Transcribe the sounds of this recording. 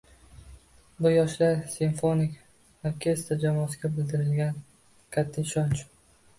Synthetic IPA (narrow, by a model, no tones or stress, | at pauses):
bʊjɒʃlaɾsɪnfo̞nɪkʲ | oɾkʲʰe̞st̪ɾd͡ʒamɒːsɪɡʲabɪld̪ɪɾɪlɡʲan | kʲʰat̪ʰːɪɪʃɒnt͡ʃ